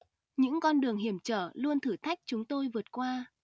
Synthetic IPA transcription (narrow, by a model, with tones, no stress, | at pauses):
ɲɨ̰˧˥ŋkɔ˧nɗɨ˨˩əŋɦi˧˩əmt͡ɕəː˧˩lu˧ənt̪ʰɨ˧˩t̪ʰa˦˥jk̟̚t͡ɕʊ˨˦ŋ͡mt̪o˧jvɨ˨˩ət̚kwaː˧